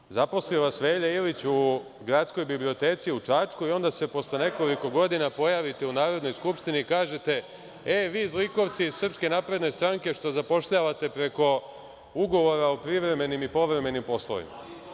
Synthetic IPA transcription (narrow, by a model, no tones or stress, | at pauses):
zapo̞slioʋasʋe̞ːʎeilit͡ɕu | ɡɾat̪sko̞jbiblio̞t̪e̞ːt̪siuʈ͡ʂat͡ʃkuio̞nd̪ase̞po̞sle̞ne̞ko̞liko̞ɡo̞d̪inapo̞jaʋit̪e̞unaːɾo̞d̪no̞jskupʃt̪inikaːʒe̞t̪e̞ | eʋiːzliko̞ʋt̪siːz̥sr̩pske̞naːpɾe̞d̪ne̞st̪ɾaŋke̞ʃt̪o̞zapo̞ʃʎaʋat̪e̞pɾe̞ko̞ | uɡo̞ʋo̞ɾaopɾiʋɾe̞me̞nimipo̞ʋɾe̞me̞nimpo̞slˠo̰ʋḭma̰